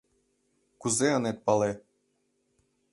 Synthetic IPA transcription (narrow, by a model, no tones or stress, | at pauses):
kuzeɤ̆net̪̚pɑle